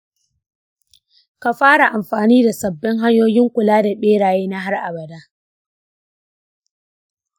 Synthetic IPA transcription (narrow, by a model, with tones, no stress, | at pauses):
ka˨ɸaː˦ɽa˨ʔa˨mɸaː˨niː˦da˨sɐ˨bːɪ˦ŋɦa˦ɲjoː˦jɪ˦ŋkʷʊ˨laː˦da˨ɓeː˦ɽaː˨jeː˦na˦ɦa˦rʔa̰˨bɐ˨daː˦